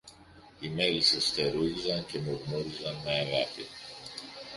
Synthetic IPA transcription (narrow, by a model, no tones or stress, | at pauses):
imelisest̪eɾuðizɐncemoɣmoɾizɐnːaːɣat̪i